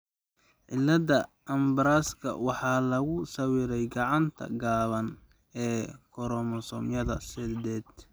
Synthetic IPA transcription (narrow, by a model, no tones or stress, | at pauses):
ʕɪlːɐd̪ɐ | ʔɐmbɐɾaskʰɐ̰wɑħɑːlɐɣʊsɐwiɾɛjɡɑʕɑnt̪ʰɐ̰ɡaːβɐn | ɛːkʰɔɾɔmɔsɔmjɐðɐsɛd̪ɛːd̪